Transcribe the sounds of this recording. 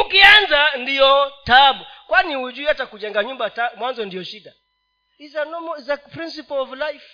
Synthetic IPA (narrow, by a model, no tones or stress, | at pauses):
ukianzandiɔtaɓukwaniud͡ʒuatakud͡ʒɛŋɡaɲumbatamwanzɔndiɔʃiɗa | izanɔmɔzapɾins̬ipɔlɔvlajf